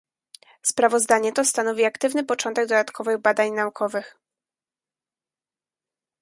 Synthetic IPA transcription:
spɾavɔzd̪aɲɛt̪ɔst̪anɔvʲiakt̪ɘvnɘpɔt͡ʂɔnt̪ɛɡd̪ɔd̪at̪kʰɔvɘɣbad̪aɲnaukʰɔvɘx

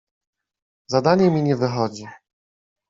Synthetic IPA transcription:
zad̪aɲɛmʲiɲɛvɘxɔd͡ʑi

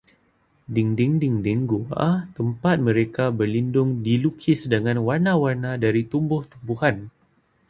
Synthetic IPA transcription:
diŋdɪŋdiŋdiŋɡua̰t̪əmpat̪̚mə̃ɾekabərlindʊŋdilukʰɪsdəŋãnwarnãwarnãdaɾit̪umbʊht̪umbuhan

